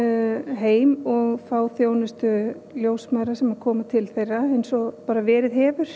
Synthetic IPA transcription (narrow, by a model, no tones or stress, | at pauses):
ɦeːjmɔɣfaːwθjoːwnʏst̪ʏ | ljoːwsmaðɾasɛmaɾkʰɔːmat̪ʰɪlθejrːaejnsɔpaːɾavɛːɾɪðɦɛːvʏɾ̥